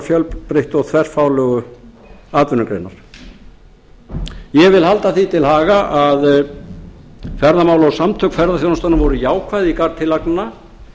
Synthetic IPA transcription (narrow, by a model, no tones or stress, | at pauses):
fjœlpɾɪht̪ɔɣtθʰvɛr̥faːwlœɣʏ | aːt̪vʏnʏkɾḛjna̰ɾ̥ | jɛvɪlhalt̪aθit̪ʰɪlhaːɣaʔað | fɛɾðamaːwlaawsamt̪ʰœkfɛɾðaθjoːnast̪anavɔɾʏjaːwkʰvaːjðikaɾt̪ʰɪlaknna